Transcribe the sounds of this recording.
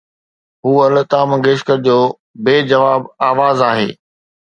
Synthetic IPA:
ɦuːɐlt̪aːmɡeːʃkəɾd͡ʑoː | beːd͡ʑɐʋaːbaːʋaːzaːɦḛː

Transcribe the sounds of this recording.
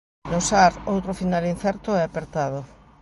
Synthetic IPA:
nosaɾowt̪ɾofinalin̟θɛɾt̪ʊɛapeɾt̪aðo

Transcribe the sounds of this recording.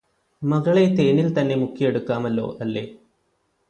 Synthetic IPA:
mɐɣɐɭe̞t̪e̞ːnilt̪ɐnːe̞mukːijeɽukːaːmɐlːo̞̰ːʔɐlːe̞̰ː

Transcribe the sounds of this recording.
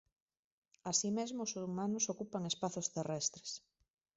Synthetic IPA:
asimezmoːsumanʊsokupaŋespaθost̪erɛst̪ɾe̥s

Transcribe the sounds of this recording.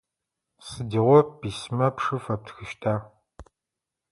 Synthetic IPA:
sɨdiʁʷɔpismɐpʂɨfɐp̚tʰxɨʃtʰaː

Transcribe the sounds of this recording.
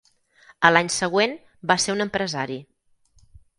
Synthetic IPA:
əlaɲsəɣ̞wen | baseɾunəmpɾəzaɾi

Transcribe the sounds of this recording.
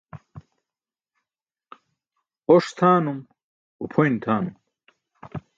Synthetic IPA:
oʂt̪ʰaːnum | upʰojnt̪ʰaːnum

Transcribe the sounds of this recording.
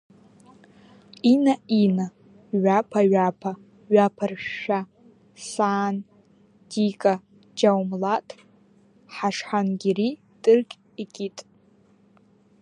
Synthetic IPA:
inaina | ɥapʰaɥapʰa | ɥapʰarʃᶣa | saːn | dikʼa | d͡ʒawmlatʼ | ħaʂħanɡʲiri | tʼɨrkʲʼ | ikʲʼitʼ

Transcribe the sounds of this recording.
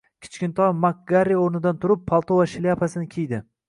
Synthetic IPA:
kʲʰɪ̥t͡ʃkʲɪnt̪ʰɒmak̚ɡaɾioɾnɪd̪ant̪ʰʊɾɪpʰːalˠt̪ʰovaʃɪliapʰasɪnɪkʲʰijd̪ɪ

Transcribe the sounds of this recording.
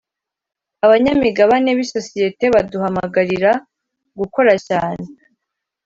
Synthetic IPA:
aβaɲamiɡaβane̞βiso̞sije̞te̞βaduhamaɡaɾiɾa | ɡuko̞ɾacaːne̞

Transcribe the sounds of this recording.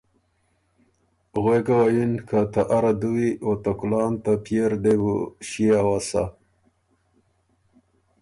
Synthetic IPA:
ɣwekawajinkʰat̪aʔaɾad̪uwiot̪akulɑːnt̪apeɾɖewuɕiawasa̰

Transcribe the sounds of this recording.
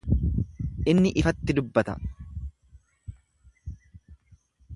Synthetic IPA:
ʔɪnːɪʔɪfɐt̪ːɪd̪ʊbːɐt̪ɐ̰

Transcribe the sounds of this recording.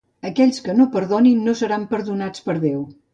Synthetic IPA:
əkɛʎʲskənopəɾðoninːosəɾampəɾðunat͡spəɾðew

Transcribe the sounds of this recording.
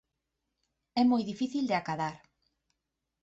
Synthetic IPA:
ɛmojðifiθild̪eakaðaɾ

